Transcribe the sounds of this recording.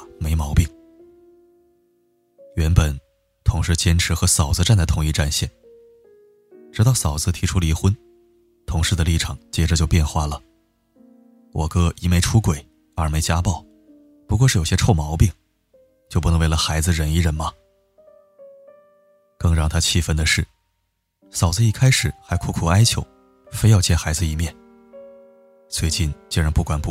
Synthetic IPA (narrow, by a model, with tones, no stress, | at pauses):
me˧˥ɪmɑ˧˥ʊpi˥˩ŋ | ɥɛ˧˥npə˨˩n | t̪ʰʊ˧˥ŋʂɻ̩˧˥˩t͡ɕjɛ˥nʈ͡ʂʰɻ̩˧˥xɤ˧˥sɑ˨˩ʊd͡zɹ̩˧ʈ͡ʂa˥˩nd̪ə˩t̪ʰʊ˧˥ŋi˥˧ʈ͡ʂa˥˧nɕjɛ̰˥˩n | ʈ͡ʂɻ̩˧˥ɑ˥˩ʊsɑ˨˩ʊd͡zɹ̩˧t̪ʰi˧˥ʈ͡ʂʰu˥li˧˥xwə˥n | t̪ʰʊ˧˥ŋʂɻ̩˥d̪ə˩li˥˩ʈ͡ʂʰɑ˨˩˦ŋt͡ɕjɛ˥ʈ͡ʂə˧t͡ɕjo˥˧pjɛ˥˧nxwa˥˩lə˩ | wʔɔ˨˩kɤ˥˧i˧˥me˧˥ɪʈ͡ʂʰu˥kwe˨˩˦ɪ | ə˞˧˥me˧˥ɪt͡ɕja˥pɑ˥˩ʊ | pu˧˥k̬wɔ˥˧ʂɻ̩˥˩jo˨˩ʊɕjɛ˥ʈ͡ʂʰo˥˩ʊmɑ˧˥ʊpi˥˩ŋ | t͡ɕjo˥˧pu˧˩ɤ˧˥ŋwe˥˩lə˩xa˧˥ɪd͡zɹ̩˧ɻə˨˩ni˧˥ɻə˧˥nmɐ˧ | kɤ˥˧ŋɻɑ˥˩ŋt̪ʰa˥t͡ɕʰi˥˧fə˥nd̪ə˨ʂɻ̩˥˩ | sɑ˨˩ʊd͡zɹ̩˧i˥˩kʰa˥ɪʂɻ̩˨˩˦xa˧˥ɪkʰu˥˩kʰu˨˩a˥ɪt͡ɕʰjo˧˥ʊ | fe˥ɪjɑ˥˧ʊt͡ɕʰjɛ˥˩nxa˧˥ɪd͡zɹ̩˧i˧mjɛ˥˩n | swe˥˧ɪt͡ɕi˥˧nt͡ɕi˥ŋɻa˧˥npu˥˩kwa˨˩npu˧